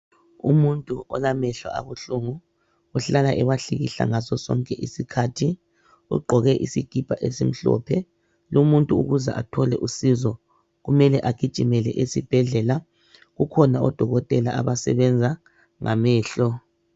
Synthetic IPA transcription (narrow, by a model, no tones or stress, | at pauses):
ṵmuntʼuʔɔlamɛɬwa̰ʔa̰βuɬuŋu | uɬalaʔɛwaɬiɣḭɬa̰ŋasɔsɔ̰ŋkʼɛʔisikʰaːtʰi | ṵɡ͡ǃʱɔɣɛʔisiɡ̥ʱib̥ʱaʔesim̩ɬɔ̰pʰɛ | lumuntʼuuɣuza̰ʔatʰɔlɛʔusizɔ | ɣumɛlɛʔaɡ̥ʱid̥ʒ̥ʼʱimɛlɛʔesib̥ʱɛɮɛla | ɣukʰɔnaɔd̥ʱɔɣɔtʼɛlaʔaβasɛ̰βɛnd͡zʱa | ŋʔamɛːɬɔ